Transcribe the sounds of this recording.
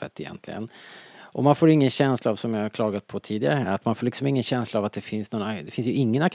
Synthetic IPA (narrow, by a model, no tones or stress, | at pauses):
ə̰t̪ːɪjɛ̰nt̪ʰlɪɡə̰nʔɔmanfoːɾɪŋːənɕɛnslaːvsɔmjahaɾkʰlɑːɡat̪̚pʰɔt̪ʰiːd̪ɪɡaɾəat̪manfoːlɪksɔmɪŋːənɕɛnslaːvat̪̚d̪ɛfɪnsnoːɾad̪ɛfɪns̬jɵɪŋːənak